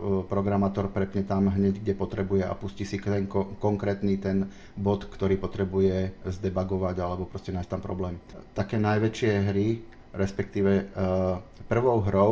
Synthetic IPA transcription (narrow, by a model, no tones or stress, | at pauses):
pɾɔɡɾamaːt̪ɔɾpɾɛpɲɛt̪amɦɲɛɟɡɟɛpɔt̪ɾɛbujɛa̰puscisikt̪ɛŋkɔkɔŋkɾɛːt̪niːt̪ɛn | bɔt̪kt̪ɔɾiːpɔt̪ɾɛbujɛzd̪ɛbaɡɔʋaɟalɛbɔpɾɔscɛnajst̪ampɾɔ̰blɛːmt̪akɛːnajʋɛt͡ʃɪɛɦɾi | ɾɛspɛkt̪iːʋɛ | pr̩ʋɔʊɦɾɔʊ